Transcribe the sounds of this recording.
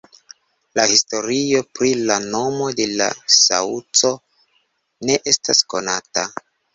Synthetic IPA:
lahisto̞ɾio̞pɾilano̞mo̞de̞la̰sa̰ut͡so̞ | ne̞ʔe̞stasko̞nata

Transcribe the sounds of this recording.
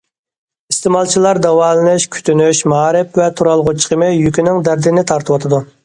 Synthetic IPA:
ist̪ɪmɑlˠt͡ʃʰilˠɑɾd̪ɛwɑːlˠɨnɨʃkʲʰy̥t̪ʰynyʃmɑːɾɪpvɛt̪ʰuɾɑlˠʁʊt͡ʃʰi̥qʰəmɨjykʲynɪŋd̪æɾd̪ɪnɪt̪ʰɑɾt̪ʰɨwɑt̪ʰɨd̪u

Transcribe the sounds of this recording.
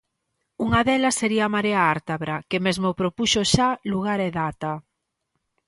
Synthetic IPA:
uŋaðelɐsːeɾiamaɾeaaɾt̪aβɾakemezmopɾopuʃoʃaluɣaɾeðat̪a

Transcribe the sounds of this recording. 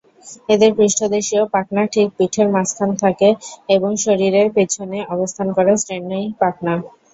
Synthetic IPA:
ed̪eɾpɾiʃʈʰod̪eʃiopaknaʈʰik̚piʈʰeɾmask̪ʰant̪ʰakeeboŋʃoɾiɾeɾpet͡ɕʰoneɔbost̪ʰankɔɾasɾenːojpak̚na

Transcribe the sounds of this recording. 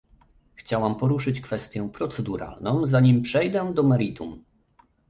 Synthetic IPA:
xt͡ɕawampɔɾuʂɘt͡ɕkfɛst̪ʲjɛpɾɔt̪sɛd̪uɾa̰lnɔ̃w̃zaɲimpʂɛjd̪ɛd̪ɔmɛɾit̪um

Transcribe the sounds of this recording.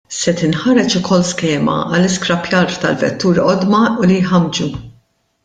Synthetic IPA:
sɛt̪ɪnħɐɾɛt͡ʃʊkʰɔlːskɛːmɐ̰ɐ̰lːɪskɾɐpjɐɾt̪ɐlvɛ̰t̪ːuːɾɔd̪mɐʊlijħɐmd͡ʒu

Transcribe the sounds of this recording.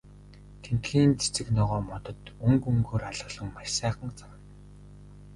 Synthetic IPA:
kʰen̥t̪xiːnt͡se̥t͡sɘ̆knɔʁɔːmɔt̪ɞ̆t̪ɵŋkɵŋɡoːraɮə̆ɮə̆ŋmaʃsæːχə̆ŋt͡sawə̆n

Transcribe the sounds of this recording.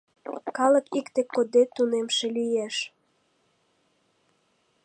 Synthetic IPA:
kɑləkikt̪ekːod̪et̪ːunemʃelyjeʃ

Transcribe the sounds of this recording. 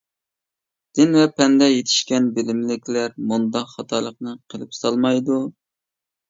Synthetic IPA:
d̪̥ɪnvɛpʰɛnd̪ɛjet̪ʰi̥ʃkʲɛnbɪlɪmlɪkʲlæɾmund̪ɑqχɑt̪ʰɑlˠəq̚nɨqʰəlˠɨpsɑlˠmɑjd̪u

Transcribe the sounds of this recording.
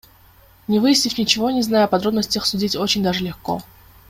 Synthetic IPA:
nʲɪvɨjɪsʲnʲɪfʲnʲɪt͡ɕɪvo̞nʲɪznajʊɐpɐd̪ɾo̞bnəsʲtʲəxsʊdʲitʲot͡ɕɪnʲd̪aʐɨlʲɪxko̞̰

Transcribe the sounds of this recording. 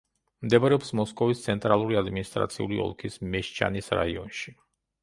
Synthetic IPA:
md̪ɛbɾɛɔpsmɔskʼɔvist̪sʰɛnt̪ʼɾalˠuɾiad̪minist̪ʼɾa̰t̪sʰiṵliɔ̰lˠkʰismɛʃt͡ʃʰa̰nisɾa̰iɔnʃi

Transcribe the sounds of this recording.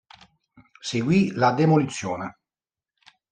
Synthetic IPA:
seɡwilad̪emolit̪sːjɔːnɛ

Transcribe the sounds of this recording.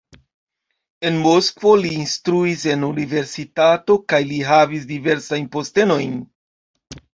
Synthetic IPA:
e̞nmo̞skvo̞liːnstɾuise̞nunive̞ɾsitato̞kajliɦavis̬dive̞ɾsajnpo̞ste̞no̞jn

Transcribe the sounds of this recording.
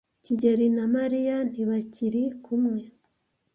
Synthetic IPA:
ciɟeɾinamaɾijan̥iβaciɾikʰumŋe̞

